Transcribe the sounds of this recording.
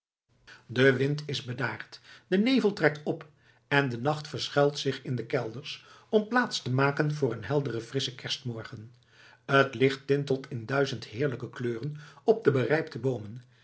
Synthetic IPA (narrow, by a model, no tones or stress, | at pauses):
dəʋɪntɪzbədaːɹtd̥ənejvəlˠtrɛk̚tɔp | ɛndənɑχtfəɹsχɛlˠtsɪχɪndəkɛlˠdəɹs | ɔmplaːtstəmaːkənvʊːɹənɦɛlˠdərəv̥rɪsəkɛɹstmɔɹχən | ətlɪχtɪntəlˠtʰɪndœɥzəntɦɪːɹləkəkløːrənɔb̚dəbərɛjptəbowmən